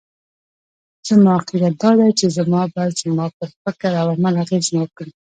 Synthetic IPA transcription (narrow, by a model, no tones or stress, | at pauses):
t͡səmʊaqiɾat̪̚d̪ɑd̪ajt͡ʃezamɑbɑjad̪zəmɑpəɾfɪkəɾawamalaɣeznakɽi